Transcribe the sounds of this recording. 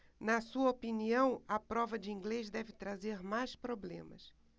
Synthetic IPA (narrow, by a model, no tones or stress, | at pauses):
nɐsuɐopiniɐ̃w̃ɐpɾɔvɐd͡ʒɪĩŋɡlezd̪ɛvɪt̪ɾazeɾmajspɾoblḛ̃mɐs